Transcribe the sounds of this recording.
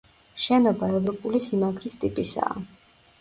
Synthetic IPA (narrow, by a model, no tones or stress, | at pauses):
ʃɛnɔbaɛvɾɔpʼulisimaɡɾist̪ʼipʼisa̰ː